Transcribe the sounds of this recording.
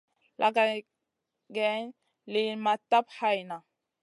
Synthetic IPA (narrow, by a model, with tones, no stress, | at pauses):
lʔa˨ɡa˨ | ɡɛ˨˦n | li˨ma˨tːa˦pha˦jna˨